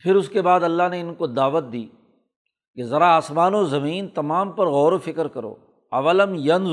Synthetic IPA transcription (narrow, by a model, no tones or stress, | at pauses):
pʰɪɾʊskebaːd̪ɐlːaɦneɪnkod̪aːʋət̪̚d̪iː | kezɐɾaaːsmaːnozɐmiːnt̪ɐmaːmpɐɾɣɔːɾofɪkɾkɐɾo̰ː | ɐʋələmjɐn